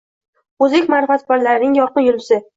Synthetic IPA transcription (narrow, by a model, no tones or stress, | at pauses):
ɵzekʲmaɾfat̪baɾlaɾnɪŋjɒɾqɨnjʊlɪsɪ